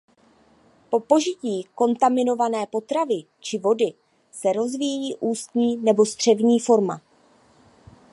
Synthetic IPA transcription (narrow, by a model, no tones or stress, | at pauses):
po̞po̞ʒɪciːko̞nt̪amɪno̞vanɛːpo̞t̪ɾavɪ | t͡ʃɪvo̞dɪ | sɛɾo̞zvijjiːʔuːst̪ɲiːnɛbo̞st̪r̥ɛvɲiːfo̞ɾma̰